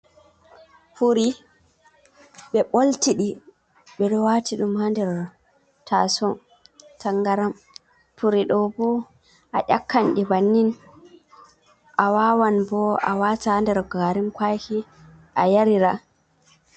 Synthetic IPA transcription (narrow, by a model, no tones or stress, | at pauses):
puɾi | ɓɛɓoltiɗi | ɓɛɗɔwatiɗumhandɛɾ | tʰasɔn | tʰaŋɡaɾam | puɾiɗɔbɔ | ʔaʔʲakːanɗibanːin | ʔawaːwanbɔa̰watandɛɾɡaɾimkwajki | ʔajaɾiɾa